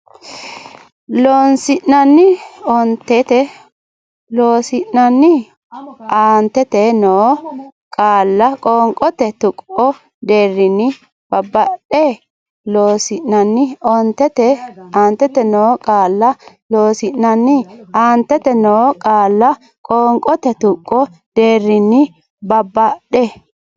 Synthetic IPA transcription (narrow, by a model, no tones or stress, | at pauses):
loːnsɪʔnɐnːɪɔnt̪ːɛt̪ɛ | loːsɪʔnɐnːɪ | aːnt̪ːɛt̪ɛnoːkʼaːlːɐkʼɔŋkʼɔt̪ɛt̪ʊkʼɔ | d̪eːrːɪnɪ | b̥ɐbːɐɗɛ | loːsɪʔnɐnːɪɔnt̪ɛt̪ɛaːnt̪ːɛt̪ɛnoːkʼaːlːɐ | loːsɪʔnɐnːɪaːnt̪ːɛt̪ɛnoːkʼaːlːɐ | kʼɔːŋkʼɔt̪ɛt̪ʊkʼːɔd̪̥e̞ːrːɪnɪ | bɐbːɐɗeː